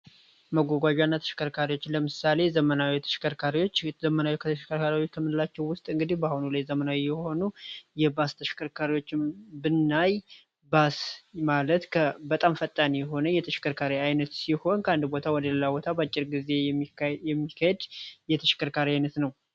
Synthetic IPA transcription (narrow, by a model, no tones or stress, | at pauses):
məɡʷaɡʷad͡ʒanːat̪ʰə̥ʃɪ̥kʰəɾkʰaɾiwo̞t͡ʃːləmɨsale̞zəmənawit̪ʰəʃkəɾkʰaɾiwo̞t͡ʃːzəmənawikʰət̪ʰəʃkʰəɾkʰaɾiwot͡ʃːt̪ʰəmɨnɨlat͡ʃːɛwwʊst̪ʼɨŋɡɨd̪ihbahunulajzəmənawijɛho̞nujɛbast̪ʰəʃkʰəɾkʰaɾiwo̞t͡ʃːɪmbɨnːaj | basmalət̪kʰəbət̪ʼamfət̪ʼːanijɛɦo̞nəjɛt̪ʰəʃɪ̥kʰəɾkʰaɾiajnət̪siho̞nkʰəand̪bo̞t̪ʰawɔd̪əlɨlabo̞t̪ʰabəat͡ʃʼːɪɾɡize̞jɛijɛmːikʰːahed̪jɛt̪ʰəʃɪ̥kʰəɾkʰaɾiajnət̪nəw